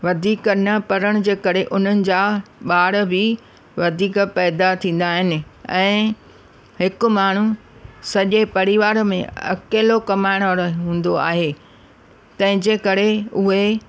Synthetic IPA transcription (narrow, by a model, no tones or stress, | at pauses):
ʋɐd̪ʱiːknɐpɐɾəɽ̃d͡ʑeːkɐɾeʔʊn̤ənɪ̆d͡ʑaːɓaːɽbɪ | ʋɐd̪ʱiːkpɛːd̪at̪ʰĩːn̆d̪aːɦɪnɪ̆ɛ̃ː | hɪkʊ̆maːɳ̤usɐʄepɐɾɪʋaːɾmḛ̃ɐ̰keːlokɐmaːɪɽ̃aɾɦũːn̆d̪oa̰ːɦeː | t̪ɐ̃ɦɪ̃d͡ʑeːkɐɾeʊɦe